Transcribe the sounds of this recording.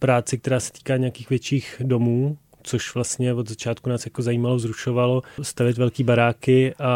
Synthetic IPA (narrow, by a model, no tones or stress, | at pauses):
pɾaːt͡sɪk̚t̪ɛɾaːsɛ̥t̪i̥ːkaːɲɛjakiːxvjɛt͡ʃiːxdo̞muː | t͡soʃvlast̪ɲɛvod̪zat͡ʃaːt̪kunaːsjakozajiːmalozɾuʃo̞valo̞st̪avjɪt̪vɛlkiːbaɾaːkɪʔa